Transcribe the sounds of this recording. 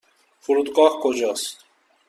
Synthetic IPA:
fuɾud̪ɡɑhkʰod͡ʒɑst̪

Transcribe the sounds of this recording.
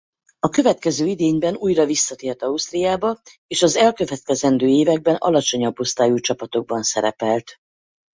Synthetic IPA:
ɒkø̞vɛt̪̚kɛzøːid̪eːɲbɛnuːjrɒvisːɒt̪eːrt̪ɒust̪rijaːbɒ | eːʃɒzɛlkø̞vɛt̪̚kɛzɛnd̪øːeːvɛɡ̚bɛnɒ̰lɒt͡ʃo̞ɲɒbːo̞st̪aːjut͡ʃɒpɒt̪o̞ɡ̚bɒnsɛɾɛpɛlt̪

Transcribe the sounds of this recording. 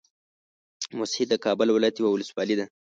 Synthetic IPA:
mʊshid̪əkɑbʊlwɪlɑjat̪jewawʊləswɑlid̪a

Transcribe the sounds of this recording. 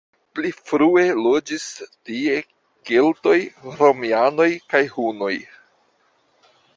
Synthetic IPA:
plifɾue̞lo̞d͡ʒistie̞ | kelto̞jɾomiano̞jkajhuno̞j

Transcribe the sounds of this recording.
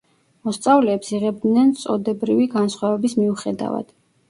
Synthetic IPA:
mɔst̪sʼavlɛːpsiʁɛb̚d̪nɛnt̪sʼɔd̪ɛbɾiviɡansχwavɛbismiuχɛd̪a̰va̰d̪̥

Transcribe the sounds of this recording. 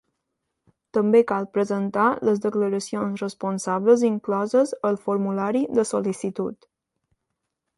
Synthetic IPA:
t̪əmbekalˠpɾəzənt̪aləzd̪əkləɾəsionsrəspunsaβləziŋklɔzəzəlˠfuɾmulaɾiðəsolisit̪ṵt̪

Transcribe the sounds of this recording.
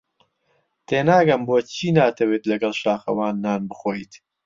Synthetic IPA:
t̪ʰeːnaːɡɐmboːt͡ʃʰiːnaːt̪ʰɐweːt̪lɐɡɐlˠʃaːxɐ̰waːnːaːnbɨxoːjt̪

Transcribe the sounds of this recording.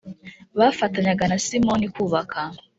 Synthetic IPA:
βafataɲaɡanasimonikuːβakʰa

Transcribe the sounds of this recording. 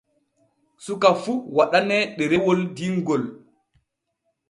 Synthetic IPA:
sukafuwaɗanɛɗɛɾɛwɔldiŋɡɔl

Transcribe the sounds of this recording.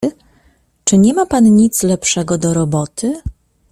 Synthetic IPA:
t͡ʂɘɲɛmapanɲit̪slɛpʂɛɡɔd̪ɔɾɔbɔt̪ʰɘ

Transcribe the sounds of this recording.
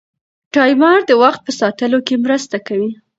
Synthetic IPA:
ʈɑjmɑɾd̪əwaxt̪̚pəsɑt̪əlokemɾəst̪akawi

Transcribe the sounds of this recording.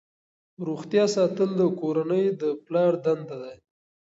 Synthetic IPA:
ɾuxt̪jɑsɑt̪əld̪əkoɾanəjd̪əplɑɾd̪and̪ad̪aj

